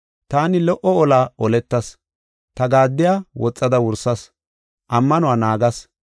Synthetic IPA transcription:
t̪aːnɪlɔʔɔɔlaːɔlɛt̪ːɐs | t̪ɐɡaːd̪ːɪjaːwʔɔt͡sʼːɐd̪ɐwʊɾsɐs | ʔɐmːɐnʊwaːnaːɡɐs

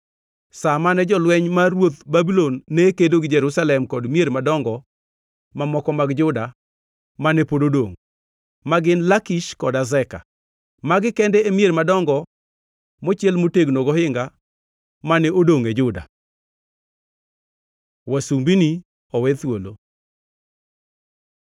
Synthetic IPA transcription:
samanɛd͡ʒɔlwɛɲmaɾwot̪babilonːɛkedoɡɪd͡ʒɛɾusalɛmkɔdmieɾmadɔŋɡɔ | mamɔkɔmaɡd͡ʒʊda | manɛpododoŋ | maɡɪnlakiʃkɔdazɛka̰ | maɡɪkɛndɛːmjeɾmadɔŋɡɔ | mɔt͡ʃjɛlmoteɡnoɡɔhɪŋɡa | manɛodoŋed͡ʒʊda̰ | wasumbini | ɔwɛt̪wolo

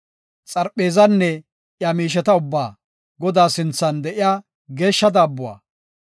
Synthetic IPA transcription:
t͡sʼɐɾpʼːe̞ːzɐnːɛ | ʔjamiːʃ̬ɛt̪ɐʊbːaː | ɡɔd̪aːsɪnt͡sːɐnd̪ɛʔɪjaː | ɡe̞ːʃːɐd̪aːbːʊwa̰ː

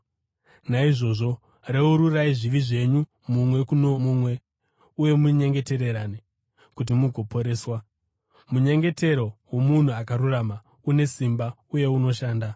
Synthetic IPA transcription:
naiʐo̞ːʐo̞ | re̞uɾuraiʐiʋiʐe̞ɲu | mumwe̞kunomumwe̞ | uje̞muɲe̞ŋɡe̞te̞ɾe̞ɾaːne | kut̬imuɡʱo̞po̞ɾe̞ːswa | muɲe̞ŋɡe̞te̞ɾo̞wo̞mun̤uakaɾurama | une̞simba | uje̞uno̞ʃaːnda

